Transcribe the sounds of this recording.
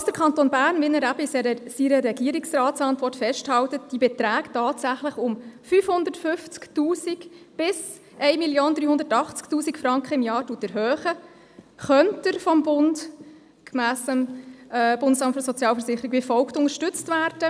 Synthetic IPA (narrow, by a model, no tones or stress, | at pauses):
ɑsd̥əɾkʰɑntonbæːɾnvɪnəɾæbəɪsɛsiɾəɾɛɡiːəɾiksrɑːtsɑntʋɔrtfɛʃthɑwtət̚d̥ibɛtɾæːɡtɑːtsæχləχʊmfyfhʊnd̪əɾtfʏft͡sktuːsikb̥ɪs | ʔɛɪmiljoːnd̥̪ɾyːhʊndəɾtɑχt͡sktuːsikfɾɑŋkχəɪmjɑːɾtuːətɛɾɦœːχə | χœntəɾfɔmbʊnd | kmæːsəm | b̥ʊndəsɑmtfəsɔt͡sjɑːlfəɾsɪχəɾiɡv̥ɪfɔlktʊŋəɾʃtʏt͡stvʋæːɾd̥ə